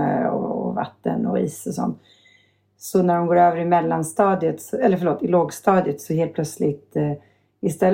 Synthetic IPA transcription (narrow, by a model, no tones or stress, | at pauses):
əɔ̰va̰t̪ːə̰nɔ̰iːsɔsɔ̰nt̪ | sɔnæɖɔmɡoːɾøːvəɾɪmɛlːanst̪ɑːd̪jət̪sɔɛlːəɾfœɭoːt̪ɪloːɡst̪ɑːd̪ɪət̪sɔɦeːl̚pʰlœt̪slɪɡ̚t̪ | ɪst̪ɛlː